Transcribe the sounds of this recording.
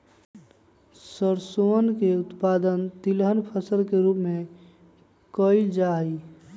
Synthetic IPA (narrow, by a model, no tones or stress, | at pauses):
səɾsoənkeʊt̪paːd̪ənt̪ilɦənpʰəsəlkeɾuːpmẽ | kəild͡ʒai